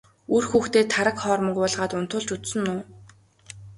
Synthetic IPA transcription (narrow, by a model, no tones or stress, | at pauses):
uːrxuːxt̪eːt̪ʰaɾə̆kχɔːrmə̆kʊːɮʁaːt̪ʊnt̪ʰʊːɮt͡ɕut͡s̪sɵ̆nːʊː